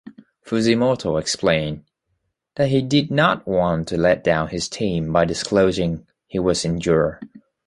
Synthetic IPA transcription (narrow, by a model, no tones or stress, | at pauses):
fʉzimɔɾoʊɨksplẽɪ̃n | ðɨt̚ɦidɨdⁿnət̚wɑ̃ntʰɨlɛt̚d̥ãʊ̃nɨz̥tʰĩmbaɪdɨskʰloʊzɪ̃ŋ | hiwʌzɨ̃nd͡ʒʊɹə